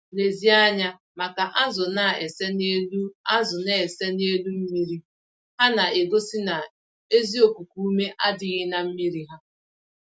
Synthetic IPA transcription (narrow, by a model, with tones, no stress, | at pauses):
le˨zi˦a˦ɲa˦ | ma˨ka˨ʔa˦zʊ˨na˨e˨se˦ne˦lu˦a˦zʊ˨ne˦˨se˦ne˦lu˦m̩˦mi˦ɾi˦ | ha˦na˨e˨ɡo˦sɪ˦na˨ | e˦zi˦o˨ku˨ku˦u˦me˦ʔa˦dɪ˦ɣɪ˦na˨m̩˦mi˦ɾi˦ɦa˦